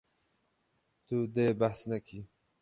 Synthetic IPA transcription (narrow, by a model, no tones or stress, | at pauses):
t̪ud̪ebahsnakʰi